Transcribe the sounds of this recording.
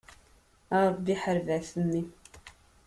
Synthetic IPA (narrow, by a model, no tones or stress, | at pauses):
ɑɾˤbːiħəɾvæθənːi